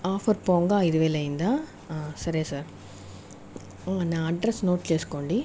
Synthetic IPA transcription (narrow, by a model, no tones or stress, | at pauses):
aːfɐɾpoːŋɡaːɪðɯʋeːlɐɪnd̪ãː | sɐɾisaːɾ | nãːɐɖɾɛsnoːʈt͡ʃeːskːɔɳɖi